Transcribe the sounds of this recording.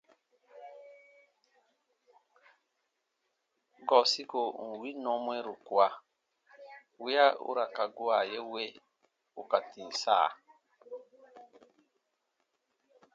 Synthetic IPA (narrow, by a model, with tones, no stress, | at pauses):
ɡɔ˨si˦ko˨ŋ̩˨wi˦nɔ̃˦mwe˦ɾu˨kwa˦ | wi˦a˦ṵ˦ɾa˨ka˨ɡu˦a˨je˦we˦ | u˨ka˨tĩ˨sa̰ː˦˨